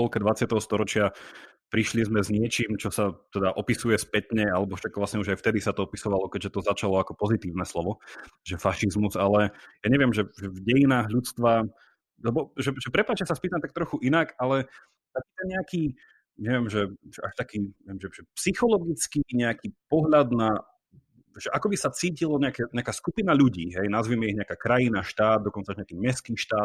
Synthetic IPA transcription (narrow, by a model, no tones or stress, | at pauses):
ɔlkɛd̪ʋat͡sɪat̪ɛɦɔst̪ɔɾɔt͡ʃɪa | pɾiʃlizmɛzɲɪɛt͡ʃiːmt͡ʃɔsat̪ɛd̪aʔɔpisujɛspɛt̪ɲɛalɛbɔfʃakʋlasɲɛuʒajft̪ɛd̪isat̪ɔɔpisɔʋalɔkɛɟʒɛt̪ɔzat͡ʃalɔakɔpɔzit̪iːʊnɛslɔʋɔʒɛfaʃizmuzalɛjaɲɛʋɪɛmʒɛʒɛvɟɛjinaːɦʎut͡st̪ʋa | lɛbɔʒɛʒɛpɾɛpat͡ʃcɛsaspiːt̪amt̪akt̪ɾɔxuʔinakalɛ | t̪akiːt̪ɛnɲɛakiː | ɲɛʋɪɛmʒɛʒɛʔaʃt̪akiːɛɛmʒɛʒɛpsixɔlɔɡit͡skiɲɛakiːpɔɦʎad̪na | ʒɛʔakɔbisat͡siːcilɔɲɛakɛɲɛakaːskupinaʎuɟiːɦɛjnazʋiːmɛiɦɲɛakaːkɾajinaʃt̪aːd̪̚d̪ɔkɔntt͡saʒɲɛakiːmɛskiːʃt̪aːt̪̚